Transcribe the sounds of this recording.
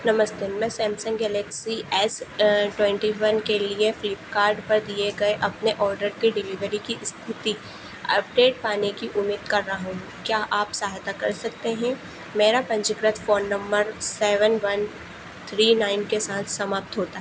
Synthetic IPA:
nɐməsd̪emɛ̃sɛ̃ːmsə̃ŋɡɡɛlɛːksiʔɛːsʈwɛ̃ːɳʈiʋɐnkeliefɪlɪpkaːɾɖpɐɾd̪ieɡɐeʔɐpneʔɔːɾɖəɾkeɖɪliʋəɾikiʔst̪ʰɪt̪i | ɐ̰p̚ɖeːʈ̚paːnekiʔʊmiːd̪̚kɐɾːɐɦaɦũ | kjaːʔaːpsaːɦt̪akɐɾsɐkt̪eɦɛ̃ | meːɾapɐ̃ɲt͡ʃɪkɾət̪ʰfoːnːɐ̃mbəɾsɛːʋənʋɐn | t̪ʰɾiːnaːɪmkesaːt̪ʰsɐmaːp̚t̪ɦoːt̪aɦɛ

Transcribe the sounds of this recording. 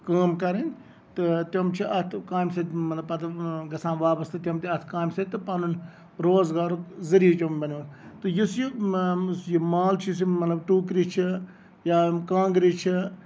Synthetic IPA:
kaːmkɐɾinʲ | t̪ɨt̪jɐmt͡ʃʰiʔɐt̪ʰkaːmsɐd̪ʲmɐt̪lɐbpɐt̪ɐɡɐsãːnʋaːbɐst̪ɨt̪ʲjɐmt̪iɐt̪ʰkaːmsɐt̪ɨpɐnun | ɾoːzɡaːɾukzɐɾiːt͡ʃɐmbɐnunt̪ɨjusjisjimaːlt͡ʃʰis̬imɐt̪lɐbʈuːkɾit͡ʃʰi | jaːkãːŋɡɾit͡ʃʰi

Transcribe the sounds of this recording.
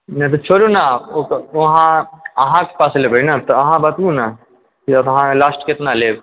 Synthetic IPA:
nɐt̪ot͡ʃʰoːɾonaokʋɐɦãɐɦãke̥paːslebʱɐinat̪oɐɦãbɐt̪ũna | kit̪ɦãlaːsʈkɪt̪naleː

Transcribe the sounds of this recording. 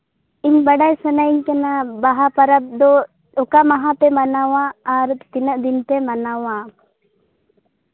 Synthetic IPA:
iɲbɐɖajsɔnaiɲkanabaɦapɐɾab̚d̪ɔ | ɔkamaɦapɛmanawaːɾt̪inəʔd̪int̪ɛmanawa

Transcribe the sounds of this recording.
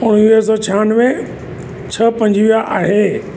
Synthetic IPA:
ʊɽ̃ʋiəs̬ɔːt͡ɕʰaːnʋẽ | t͡ɕʰɐpɐ̃ɲd͡ʑʱʋijaʔaːɦeː

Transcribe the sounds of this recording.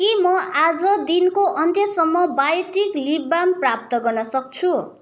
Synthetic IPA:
kimʌʔad͡zʌd̪inkoʔʌnt̪ʰjʌsʌmːʌbajʈiklibamprap̚t̪ʌɡʌrnʌsʌk̚t͡sʰu

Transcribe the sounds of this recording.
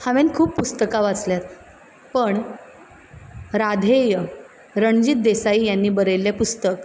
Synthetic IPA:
haʋenkʰuːpːpust̪əkaʋat͡sljat̪ | pəɳ | ɾad̪ʱejə | ɾəɳd͡ʑiːt̪̚d̪esaiːjanːiːbəɾəjlːepust̪ək

